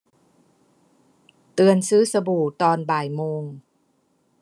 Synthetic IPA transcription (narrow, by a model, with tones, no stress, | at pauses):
t̪ɯ˧ənsɯː˦˥sa˧buː˨˩t̪ɔː˧nbaː˨˩jmoː˧ŋ